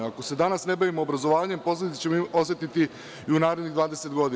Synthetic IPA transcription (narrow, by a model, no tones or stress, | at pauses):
ako̞se̞d̪anasne̞baʋimoːbɾazo̞ʋaːʋaɲe̞mpo̞sled̪it̪e̥t͡ɕemoosje̞t̪it̪i | iunaːɾe̞d̪niɣd̪ʋaːd̪ese̞t̪ɡo̞d̪i